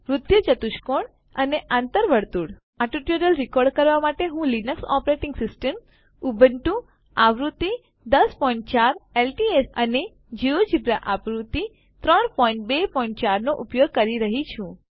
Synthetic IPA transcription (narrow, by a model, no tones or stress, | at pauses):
ʋɾʊd̪jət͡ʃət̪uʃkoɳ | əneʔãnt̪əɾʋəɽt̪uɽ | aʈuʈjoɾəlɾikɔɾɖkəɾʋamaʈeɦũlinəksɔ̰pɾeʈɪŋɡsɪsʈəm | ubəɳʈũ | aʋɾut̪i | d̪əspɔĩɳʈ̚t͡ʃaɾelʈiesəne | d͡ʒiod͡ʒibɾa̰ʔapɾut̪i | t̪ɾɔɳpɔĩɳʈbepɔĩɳʈ̚t͡ʃaɾnoʔupjoɡ̚kəɾiɾəɦit͡ʃʰũ